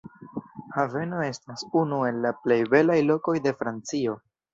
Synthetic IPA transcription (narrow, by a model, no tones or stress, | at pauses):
have̞no̞e̞stasunue̞lːaple̞jbe̞lajlo̞ko̞jde̞fɾant͡sio̞